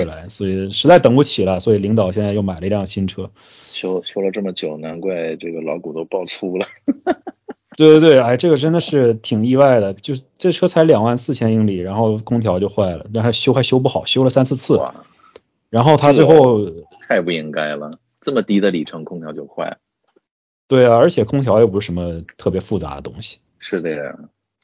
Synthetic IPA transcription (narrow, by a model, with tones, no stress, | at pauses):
la˧˥ɪswɔ˧˥i˨˩ʂɻ̩˧˥t͡sa˥˩ɪt̪ɤ˨˩ŋu˥˩t͡ɕʰi˨˩lə˦swɔ˧˥i˨˩li˧˥ŋt̪ɑ˨˩ʊɕjɛ˥˧nt͡sa˥˧ɪjo˥˩ʊma˨˩ɪlə˧i˧ljɑ˥˧˩ŋɕʰi˥nʈ͡ʂʰɤ˥ | ɕjo˥ʊɕjo˥ʊlə˧ʈ͡ʂɤ˥˩mə˩t͡ɕjo˨˩ʊna˧˥nkwa˥˧ɪʈ͡ʂɤ˥˩ɡə˩lɑ˧˥ʊku˨˩t̪o˥ʊpɑ˥˧ʊt͡sʰu˥lə˩ | t̪we˥˩t̪e˥˧t̪we˥˩ɪa˥˩ɪʈ͡ʂɤ˥˩ɡə˩ʈ͡ʂə˥nd̪ə˨ʂɻ̩˥˩t̪ʰi˨˩ŋi˥˧wa˥˩ɪd̪ə˩t͡ɕjo˥˧ʂ̩˥˩ʈ͡ʂɤ˥˩ɡʈ͡ʂʰɤ˥t͡sʰa˧˥ɪljɑ˨˩ŋwa˥˧nsɹ̩˥˩t͡ɕʰjɛ˥ni˧˥ŋli˨˩ɻa˧˥nxo˥˩ʊkʰʊ˥ŋt̪ʰjɑ˧˥ʊt͡ɕjo˥˧xwa˥˩ɪlə̰˩na˥˩nʰa˥˩ɕjo˥ʊxa˥˧ɪɕjo˥ʊp̬u˥˩xɑ˨˩ʊɕjo˥ʊlə˨sa˥nt͡sʰɹ̩˥˧t͡sʰɹ̩˥˩˧ | ɻa˧˥nxo˥˩ʊt̪ʰa˥ʈ͡ʂwe˥˧ɪxo˥˩ʊt̪ʰa˥˧ɪpu˥˩i˥ŋka˥ɪlə˩ | t͡sə˥˩mə˩t̪i˧˥d̪ə˧li˨˩ʈ͡ʂʰɤ˧˥ŋkʰʊ˥ŋt̪ʰjɑ˧˥ʊt͡ɕjo˥˧ʊxwa̰˥˩ɪl | t̪we˥˩ɪɐ˩ə˞˧˥t͡ɕʰjɛ˨˩kʰʊ˥ŋt̪ʰjɑ˧˥ʊjɛ˧˥˩p̬ʂɻ̩˥˩ʂə˧˥mə˧t̪ʰɤ˥˩p̬jɛ˧˥fu˥˩t͡sa̰˧˥d̪ə̰˧t̪ʊ˥ŋɕi̥˨ | ʂɻ̩˥˩d̪ə˧˩a̰˩